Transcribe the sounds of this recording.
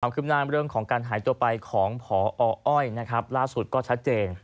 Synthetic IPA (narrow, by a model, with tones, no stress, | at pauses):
aː˩˦kʰɯː˥˩pnaː˥˩˨mɾɯ˥˩əŋkʰɔː˩˦ŋkaː˧nɦaː˩˦jt̪u˧ɐpa˧jkʰɔː˩˦ŋpʰɔː˩˦ʔɔː˧ʔɔ˥˩jna˦˥kʰa˦˥p̚laː˥˩su˨˩t̪̚kɔː˥˩t͡ɕʰa˦˥t̪̚t͡ɕeː˧n